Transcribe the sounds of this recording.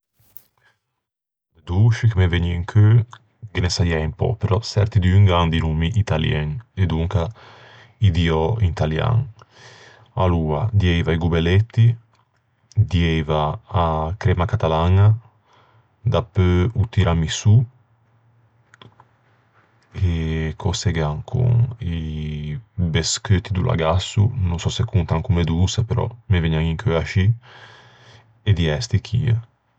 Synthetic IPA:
d̪əd̪uːʃikəmeveɲiŋkʰø | ɡenesajɛimpɔ̰peɾɔsɛɾt̪id̪yŋɡɾand̪inumiʔit̪aljɛŋed̪uŋka | id̪iɔint̪alja̰ŋ | aluːa̰d̪jɛjvaiɡubɛlɛt̪ːi | d̪jɛvaː | kɾɛmakat̪alaŋa | d̪apːøut̪iɾʔamisu | ekʰoseɡaŋkʰṵŋi | beskøt̪ːid̪ulʔa̰ɡasːunuŋsɔsekːunt̪aŋkumed̪usapeɾɔ̰meveɲaŋiŋkʰøaʃi | ed̪iɛst̪ikʰḭːa̰

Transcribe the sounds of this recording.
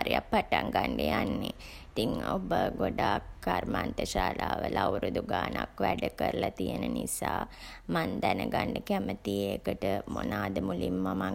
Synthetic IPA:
ɾijakpaʈaŋɡaɳɖejanːe | it̪iŋobəɡoɖaːkːarmant̪əʃaːlaːʋəlauɾud̪uɡaːnakʋæɖəkəɾəlat̪ijənənisaːmand̪ænəɡaɳɖəkæmət̪iekəʈəmonaːd̪əmulimːama

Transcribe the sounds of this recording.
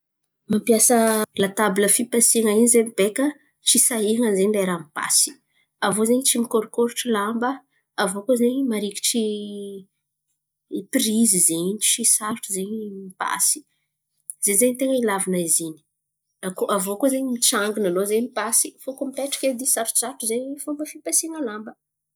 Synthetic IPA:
mampjasəlat̪abiləfipasiŋainizemib̥ekə | ʈ͡ʂisaiŋənzeɲleɾamipa̰si̥ | avozeɲit͡ʃimikoɾukoɾuʈ͡ʂilambə | avokozeɲimaɾiki̥ʈ͡ʂi | pirizizeɲt͡ʃisaɾʈ͡ʂuzeɲimipa̰si̥ | zeɲzeɲit̪eŋəilavinaizini̥ | akoʔavokozeɲimiʈ͡ʂaŋɡunalozeɲmipasi̥fokumipeʈ͡ʂḁkʲed̪isaɾu̥ʈ͡ʂuz̥aɾʈ͡ʂuzeɲifumbəfipesiŋəlambə

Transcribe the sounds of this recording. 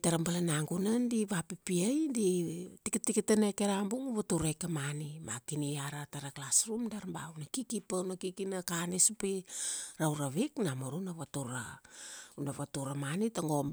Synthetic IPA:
taɾambalanaŋɡunandiβapipiajditikitikitanekeɾambuŋβatuɾajkamanima̰kiniaɾataɾaklasɾumdaɾmba̰wnakikipanakikinakanesupiɾawɾaβiknamoɾunaβatuɾa̰ | unaβatuɾamanitaŋo̞m

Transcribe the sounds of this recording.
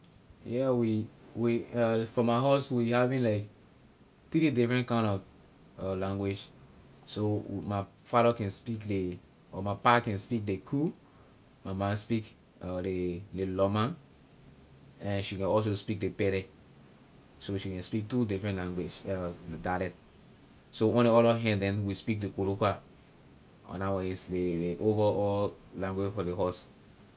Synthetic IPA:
jɛwiwiafɔ̃maɪɦoswihavĩnlaɪk | t̪ɾidifɹɛ̃ntkãɪ̃nɔv | ɔlãŋɡwed͡ʒ | somafaɾakɛ̃nspikle | ɔmapakɛ̃nspik̚dekʰu | mamãnspik | ɔlelelɔmãn | ɛ̃nʃikɛ̃nɔs̬ospik̚depɛɾɛ | soʃikɛ̃nspik̚tudifɹɛ̃ntlãŋɡwed͡ʒɔdalɛt | soõnliɔlɔɦɛ̃dɛ̃nwispik̚dekoɾoka | ɔ̰̃nawɔɛsleleʔovɔɔlãŋɡwed͡ʒfɔleɦɔs

